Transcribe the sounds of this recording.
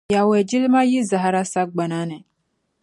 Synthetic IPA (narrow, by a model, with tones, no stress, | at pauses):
ja˨wɛ˨d͡ʒi˦lɪ˦ma˦ji˦za˨ɦa˨ɾa˦sa˦ɡ͡ba˨na˦nɨ˨